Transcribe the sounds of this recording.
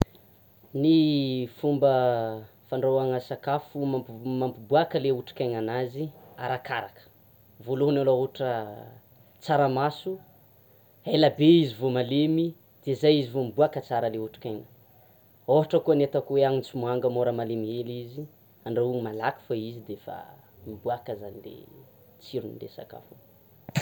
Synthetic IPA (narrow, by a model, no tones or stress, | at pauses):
nifumbə | faɳɖ͡ʐowaŋəsakafummampibuakəleuʈ͡ʂi̥kaɲanazia̰ɾakaɾakə̥ | voloɦnalooʈ͡ʂə | t͡saɾamasu | aelabeizivomalemi | d̪̥ezajizivomibuakət͡saɾəleuʈ͡ʂi̥kaŋə̥ | oɦaʈ͡ʂəkuanet̪akweaŋint͡simuaŋɡəmoɾəmalemiɦelizi | aɳɖ͡ʐaumalaki̥faizid̪efa̰ | mibuakəzanilḛ | t͡siɾunḭd̪ḛsa̰ka̰fu